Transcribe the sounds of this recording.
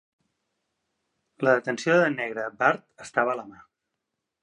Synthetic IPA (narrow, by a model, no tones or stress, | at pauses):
ləðət̪ənsioðənɛɣɾəbaɾt̪əst̪aβəːləma